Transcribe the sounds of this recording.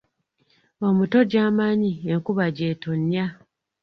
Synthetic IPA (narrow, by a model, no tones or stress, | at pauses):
o̞muto̞ɟaːmaːɲieŋkuβaɟe̞ːto̞ɲja